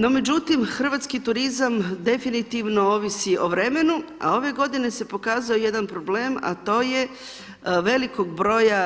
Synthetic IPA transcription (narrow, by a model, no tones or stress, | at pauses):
no̞me̞d͡ʑut̪imxr̩ʋat̪skit̪uɾizamd̪e̞finit̪iʋno̞oʋisiʔo̞ʋɾe̞me̞nua̰o̞ʋe̞ɡo̞d̪ine̞se̞po̞kaːzaoje̞d̪anpɾo̞ble̞ːma̰t̪o̞ːje | ʋe̞liko̞ɡ̚bɾo̞ːja